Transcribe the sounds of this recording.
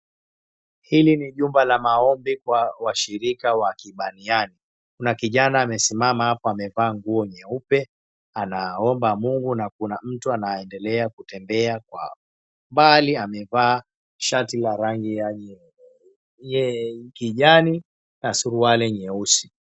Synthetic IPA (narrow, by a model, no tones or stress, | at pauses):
hiliniʄumbalamaɔmbikwawaʃiɾikawakiɓaniani | kunakiʄanaːmɛsimamahapɔamɛvaːŋɡuɔɲɛupɛ | anaɔmbamuŋɡunakunam̩tuanaɛndɛlɛakutɛmbɛakwa̰ | mbaliamɛvaː | ʃatilaɾaŋɡija | ɛkiʄani | nasuɾualɛɲɛusi̥